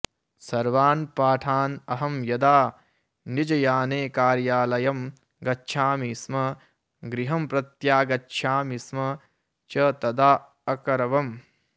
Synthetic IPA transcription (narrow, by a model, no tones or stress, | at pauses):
sɐɾʋaːnpaːʈʰaːnɐɦɐmjɐd̪aː | nid͡ʒɐjaːneːkaːɾjaːlɐjɐm | ɡɐtːʃʰaːmismɐ | ɡɾiɦɐmpɾɐt̪jaːɡɐtːʃʰaːmismɐ | t͡ʃɐt̪ɐd̪aː | ɐkɐɾɐʋɐm